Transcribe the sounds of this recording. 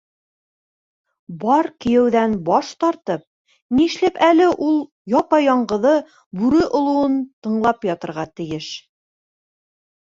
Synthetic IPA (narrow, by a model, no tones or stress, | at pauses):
bɑɾkɘ̆jɘ̆wðænbɑʃt̪ɑɾt̪ɤp̚ | niʃlɘpælɘʔulˠ | jɒpɑjɑɴɢɤ̆ðɤ | bʉɾɘʔŏlˠuwɤnt̪ɤ̆ɴlˠɑpjɒt̪ɤ̆ɾʁɑt̪ɘ̆jɘʃ